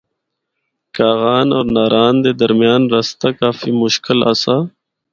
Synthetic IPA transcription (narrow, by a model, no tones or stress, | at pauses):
kaːɣaːnoːɾnaːɾaːnd̪ed̪ɐɾmijaːnɾɐst̪akaːfimʊʃkɪla̰sa